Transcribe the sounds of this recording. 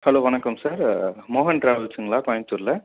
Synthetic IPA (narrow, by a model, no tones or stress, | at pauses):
hɛloːʋɐnɐkːɐmsaːɾmoːɦɐnʈɾaːʋɯlt͡ʃːɯŋɡɐɭaːkɔːjɐ̃nt̪ɯɾlɐ